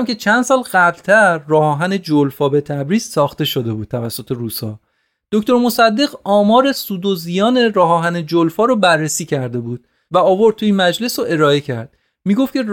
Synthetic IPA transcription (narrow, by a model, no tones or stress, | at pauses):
mkʲʰe̞t͡ʃʰænd̪̥sɒːlɢæblt̪ʰæɾːɒːhɒːɦæne̞d͡ʒolfɒːbe̞t̪ʰæbɾiːz̥sɒːxt̪e̞ʃod̪e̞buːd̪̚t̪ʰævæsːo̞t̪ʰe̞ɾuːsɒ̰ː | d̪̥oct̪o̞ɾmo̞sæd̪ːe̞ɣɒːmɒːɾe̞suːd̪ozijɒːne̞ɾɒːɦɒːɦæne̞d͡ʒolfɒːɾobærːesiːcʰæɾd̪e̞buːd̪̥ | væɒːvoɾd̪t̪t̪ʰuinmæd͡ʒle̞soʔe̞ɾɒːe̞cʰæɾd̪̥ | miːɡo̞ft̪cʰe̞